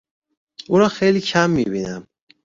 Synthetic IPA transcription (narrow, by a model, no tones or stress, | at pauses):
uːɾɒːxejliːcʰæmːibinæm